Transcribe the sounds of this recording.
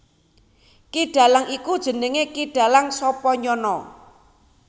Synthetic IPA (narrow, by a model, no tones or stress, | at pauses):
kiɖ̥ä̤laŋikud̥ʒ̥ə̤nɪŋekiɖ̥ä̤laŋsɔpɔɲɔnɔ